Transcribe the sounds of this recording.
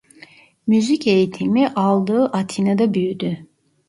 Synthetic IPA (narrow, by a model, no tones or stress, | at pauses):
myzice̞jit̪ʰimiʔalˠd̪ɯːʔat̪ʰinad̪abyjd̪y